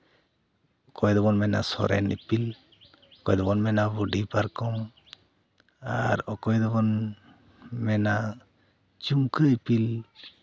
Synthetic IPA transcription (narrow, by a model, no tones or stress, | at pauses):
ɔkɔjd̪ɔbɔnmɛna̰sɔ̰ɾɛ̰nʔḭpil | ɔkɔjd̪ɔbɔnmɛnabuɖipaɾkɔm | aɾɔkɔjd̪ɔbɔn | mɛna | t͡ʃuŋkəipil